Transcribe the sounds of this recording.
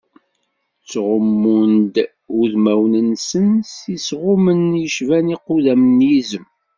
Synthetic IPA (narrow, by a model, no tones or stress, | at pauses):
t͡sːʁəmːund̪ | uðmæwnənsənsisʁʊmənjəʃvæniqːuðæmənjizəm